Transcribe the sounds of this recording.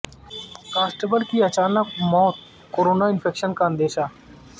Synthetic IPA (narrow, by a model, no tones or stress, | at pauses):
kaːsʈəbəlkiət͡ʃaːnəkmɔːt̪̚ | koːɾoːnaːɪnpʰeːkʃənkaə̃nd̪eːʃaː